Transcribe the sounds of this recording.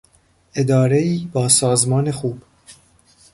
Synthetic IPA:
ʔe̞d̪ɒːɾe̞iːbɒːsɒːzmɒːnexuːb̥

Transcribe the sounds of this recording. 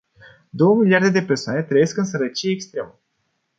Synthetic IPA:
d̪o̞wəmiliard̪e̞d̪epersoa̰ne̞t̪ɾəjeskɨns̬əɾət͡ʃijeːkst̪ɾe̞mə

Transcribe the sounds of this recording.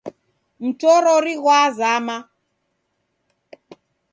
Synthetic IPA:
m̩tɔɾɔɾiɣwazama

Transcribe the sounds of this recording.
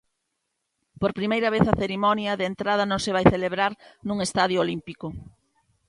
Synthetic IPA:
poɾpɾimejɾɐβ̞eθɐθeɾimɔnjɐðent̪ɾað̞ɐnõŋsɪβ̞ajθeleβɾaɾnũŋest̪aðjʊolimpikʊ

